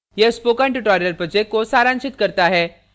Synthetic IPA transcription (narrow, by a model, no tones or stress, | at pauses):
jespokãɳʈuʈɔɾijəlpɾɔd͡ʑekkːosaɾãnt͡ʃit̪kəɾt̪aɦɛ